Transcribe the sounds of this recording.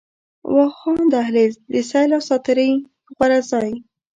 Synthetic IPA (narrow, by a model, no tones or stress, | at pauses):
wɑxɑnd̪aɦled̪əsajlawsɑt̪ɪɾəj | ɣwaɾazɑj